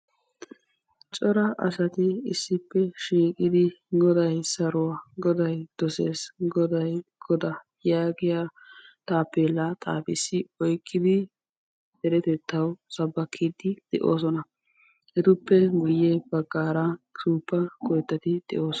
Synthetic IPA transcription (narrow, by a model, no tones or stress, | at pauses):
t͡ʃʼɔɾɐʔɐ̰sɐt̪ɪɪsːɪpːɛʃiːkʼɪd̪ɪɡɔd̪ɐjsɐɾʊwaːɡɔd̪ɐjd̪̥ɔseːsɡɔd̪ɐjɡ̥ɔd̪ɐ | jaːɡɪja | t̪ʼaːpːeːlːat̪ʼa̰ːfɪsːɪɔjkʼːɪd̪ɪ | dɛɾɛt̪ɛt̪ʰːɐwsɐbːɐkʰːid̪ɪd̪̥ɛʔoːsɔnɐ | hɛt̪ʊpːɛɡʊjːɛbɐɡːaːɾɐsuːpːɐkʼɔjt̪ːɐt̪ɪd̪̥ɛ̰ʔo̞ːs